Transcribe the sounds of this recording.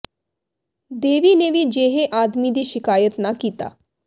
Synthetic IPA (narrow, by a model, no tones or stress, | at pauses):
d̪eʋiːneʋiːd͡ʑeɦeʔad̪mid̪iːɕɪkaːjət̪nakiːt̪a̰